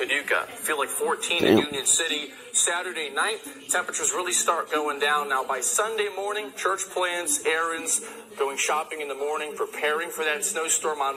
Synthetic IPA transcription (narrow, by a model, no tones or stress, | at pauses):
ɨdʉkɨ̰filˠaɪkfɔɹtʰĩnɨ̰jʉ̃njɨ̃nsɪɾi | sæɾə˞deɪnaɪtʰɛ̃mpɹət͡ʃə˞zɹɪlˠistɑɹt̚ɡ̥oʊɪ̃ŋdãʊ̃nːaʊbaɪsʌ̃ndeɪmɔɹnɪ̃ŋt͡ʃʰɜ˞t͡ʃpʰl̥æ̃nzɛɹɨ̃nz̥ | ɡ̥oʊɪ̃ŋʃɑpɪ̃ŋɨ̃nðəmɔɹnɪ̃ŋpʰɹ̥ɨpʰɛɹɪ̃ŋfə˞ðɨttsnoʊstɔɹmɑ̃